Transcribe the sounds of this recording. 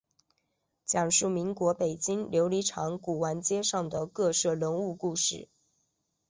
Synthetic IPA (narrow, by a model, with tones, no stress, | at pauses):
t͡ɕjɑ˨˩ŋʂu˥˩mi˧˥ŋkwɔ˧˥pe˨˩ɪt͡ɕi˥ŋljo˧˥ʊli˧˥ʈ͡ʂʰɑ˧˥ŋku˨˩wa˧˥nt͡ɕjɛ˥ʂɑ˥˩ŋd̪ə˩kɤ˥˧ʂɤ˥˩ɻə˧˥nu˥˧ku˥˧ʂɻ̩˥˩